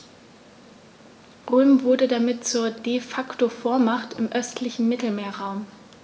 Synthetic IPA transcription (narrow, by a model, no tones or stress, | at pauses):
ʁøːmvʊɐdədamɪtt͡suːɐdefaktofoːɐmaχtɪmʔœstʰlɪçn̩mɪtl̩meːɐʁaʊm